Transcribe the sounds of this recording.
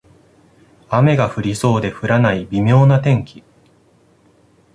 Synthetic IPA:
ame̞ɡaɸɯ̟ɾʲiso̞ːd̪e̞ɸɯ̟ɾanaibʲimʲo̞ːnat̪ẽ̞ŋkʲi̥

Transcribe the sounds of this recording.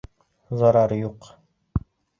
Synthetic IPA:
zɑɾɑɾjuq

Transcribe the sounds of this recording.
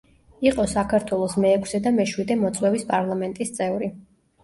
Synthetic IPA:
iqʼɔsakʰaɾt̪ʰwɛlˠɔsmɛːkʰsɛd̪amɛʃwid̪ɛmɔt̪sʼwɛvispʼaɾlˠamɛnt̪ʼist̪sʼɛvɾi

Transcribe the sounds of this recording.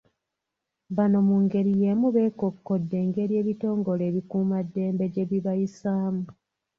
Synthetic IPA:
βano̞muŋɡe̞ɾije̞muβe̞ːkokːo̞dːe̞ːŋɡe̞ɾie̞ːβito̞ːŋɡo̞le̞ːβikuːmadːe̞ːmbe̞ɟe̞βiβajisaːmu

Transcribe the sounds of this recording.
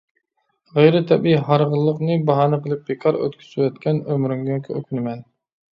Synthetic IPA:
ʁejɾɪt̪ʰɛbiɦɑɾʁəlˠːəqnɨbɑɦɑːnɨqəlˠɨp̚bekʰɑɾø̰t̪kʲʰy̥sywɛt̪kʲʰɛnømɾyŋɡʲɛkʲʰɛøkʲʰynɪmɛn

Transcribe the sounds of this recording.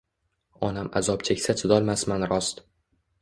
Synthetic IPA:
ɒnama̰zɒp̚t͡ʃʰekʲsat̪ʰɪd̪ɒlˠmasmanɾɒst̪

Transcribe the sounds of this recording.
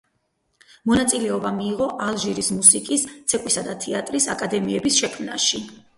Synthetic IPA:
mɔnat̪sʼilɛɔbamiːʁɔʔalˠʒiɾismusikʼist̪sʰɛkʼwisad̪at̪ʰɛat̪ʼɾisakʼad̪ɛmiɛbisʃɛkʰmna̰ʃi

